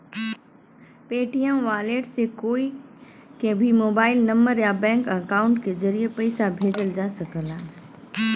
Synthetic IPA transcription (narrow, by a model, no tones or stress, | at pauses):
peːʈijãʋaːleːʈsekoːikẽbʱimoːbaːɪlnɐmbəɾjabɛ̃ːŋkɐkaːʊ̃ɳʈkezɐɾijepɐɪsabʱeːd͡ʑəld͡ʑaːsɐkʰəlaː